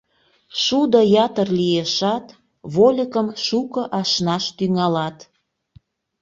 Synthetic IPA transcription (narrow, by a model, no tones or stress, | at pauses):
ʃud̪əjɑt̪ərlijeʃɑt̪ | βolʲəkəmʃukə̆ʔɑʃnɑʃt̪yŋɑlɑt̪